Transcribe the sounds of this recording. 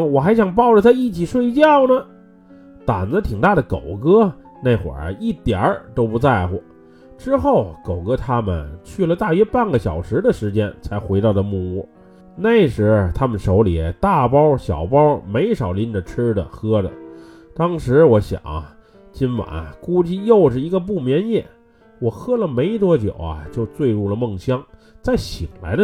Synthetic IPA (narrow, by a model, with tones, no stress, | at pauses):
wɔ˨˩xa˧˥ɪɕjɑ˨˩ŋp̬ɑ˥˩ʊʈ͡ʂə˩t̪ʰa˥ɪi˥˩t͡ɕʰi˨˩ʂwe˥˧ɪt͡ɕjɑ˥˩ʊnə˨ | t̪a˨˩nd͡zə˧t̪ʰi˨˩ŋt̪a˥˩ɾə˩ko˨˩ʊkɤ˥ | ne˥˩ɪxwə̰˨˩˥i˥˩t̪jə̰˞˨˧˥t̪o˥ʊpu˧˥t͡sa˥˩ɪxwɔ̰˨˩ | ʈ͡ʂɻ̩˥xo˥˩ʊko˨˩ʊkɤ˥t̪ʰa˥mə̰˨˩nt͡ɕʰy˥˩lə˩t̪a˥˩ɥɛ˥pa˥˩nɡə˩ɕjɑ˨˩ʊʂɻ̩˧˥d̪ə˨ʂɻ̩˧˥t͡ɕjɛ˥nt͡sʰa˧˥ɪxwe˧˥ɪt̪ɑ˥˩d̪ə˩mu˥˧mu˥˩ | ne˥˩ɪʂɻ̩˧˥˩t̪ʰa˥mə˨nʂo˧˥ʊli˨˩t̪a˥˩pɑ˥ʊɕjɑ˨˩ʊpɑ˥me˧˥ɪʂɑ˨˩ʊli˧˥nʈ͡ʂə˨˩ʈ͡ʂ̩ʰ˥d̪ə̰˨xɤ˥də̰˩ | t̪ɑ˥ŋʂɻ̩˧˥wɔ˧˥ɕjɑ̰˨˩˦ŋɐ̰˦ | t͡ɕi˥nwa̰˨˩˦n˨ku˥t͡ɕi˥jo˥˩ʊʈ͡ʂɻ̩˨˩i˧˥ɡə˧p̬u˥˩mjɛ˧˥njɛ˥˩ | wɔ˨˩xɤ˥lə˨me˧˥ɪt̪wɔ˥t͡ɕjo̰˨˩ʊɐ̰˦t͡ɕjo˥˧ʊt͡swe˥˧ɪɻu˥˩lə˩mɤ˥˩ŋɕjɑ˥ŋ | t͡sa˥˩ɪɕi˨˩ŋla̰˧˥ɪdə˧